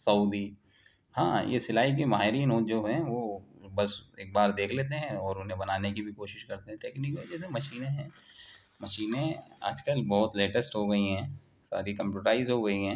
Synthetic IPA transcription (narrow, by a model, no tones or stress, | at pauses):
sɐʊd̪i | hã̰ːjḛsɪlaːik̬emaːɦeɾinoːtd͡ʒoːɦɛ̃ʋobɐseːk̚baːɾd̪eːkʰleːt̪̬eɦɛ̃ɔːɾʊnɦẽbɐnaːnekibʱikoːʃɪʃkɐɾt̪eɦɛ̃ʈeːkniːkmẽd͡ʒɛːsẽmɐʃiːnẽɦɛ̃ː | mɐʃiːnẽa̰ːd͡ʒkəlbɔːʊt̪leːʈəsʈɦoɡɐiɦɛ̃ː | sa̰ːɾikɐ̃mpjuːʈɾaːɪzɦoɡɐiɦɛ̃ː